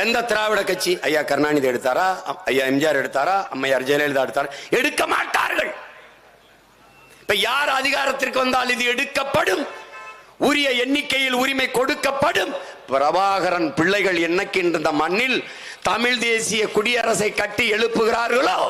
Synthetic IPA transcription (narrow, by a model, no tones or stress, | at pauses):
ɛnd̪ɐt̪ɪɾaːʋɪɽɐkːɐʈt͡ʃːiʔɐjːaːkɐɾnaːɳɪðiɛɽɯt̪ːaːɾaːɐjːaːɛmd͡ʒaːɾɛɽɯt̪ːaːɾaːʔɐmːɐjaːɾd͡ʒɐleːɭðaːɛɽɯt̪ːaːɾɛɽɯkːɐma̰ːʈːa̰ːɾɣɐɭ | ɪpːɐjaːɾɐðɪɣaːɾɐt̪ːɪrkɯʋɐnd̪aːlɪðɯɛɽɯkːɐpːɐɽɯm | ʊɾɪjɐɛɳːɪkːɐjɪlʊɾɪmɐɪkɔɽɯkːɐpːɐɽɯmpɪɾɐʋaːɣɐɾɐnpɪɭːɐɪɣɐɭɛnːɐkːɪnrɐnd̪ɐmɐɳːɪl | t̪ɐmɪɻd̪eːsɪjɐkʊɽɪjɐɾɐsɐɪkːɐʈːiɛɻɯpːɯɣɪɾaːɾɣɐɭoː